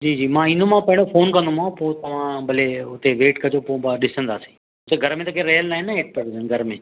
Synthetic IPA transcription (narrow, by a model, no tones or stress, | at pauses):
d͡ʒiːd͡ʑiːmãːɪnõmãːpəɪɳofoːnkə̃nd̪omãːpoːt̪ɐʋ̤ãːbəleːʊt̪eʋeːʈkɐd͡ʒoːpoːbaɗɪsənd̪aːsi̥ː | ʊt̪eɡʱəɾmẽːt̪əkeɾeɦəlnaːɪ̃nːaːɦeːʈ̚pəɾənɡʱəɾmẽː